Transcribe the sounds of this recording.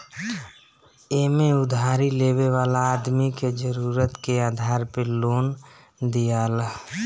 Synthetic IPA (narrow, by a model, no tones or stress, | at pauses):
eːmeʊd̪ʱaːɾileːʋeʋaːlaːd̪miked͡ʒəɾuːɾət̪keaːd̪ʱaːɾpeloːn | d̪ijaːla